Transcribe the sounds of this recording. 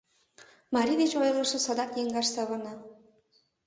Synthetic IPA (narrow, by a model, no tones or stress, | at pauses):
mɑɾʲid̪et͡ɕojɤ̆lˠə̆ʃɤ̆sɑd̪ɑkjeŋɡɑʃsɑβɑnɤ